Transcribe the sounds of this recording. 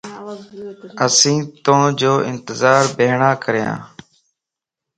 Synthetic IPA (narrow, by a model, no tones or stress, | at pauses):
əsĩːt̪õːd͡ʒoːʔɪnt̪ɪzaːɾbeːɳãːkəɾjã̰ː